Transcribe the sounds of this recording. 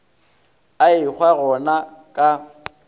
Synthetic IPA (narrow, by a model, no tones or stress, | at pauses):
aɪk͡xwaɣɔnakʼa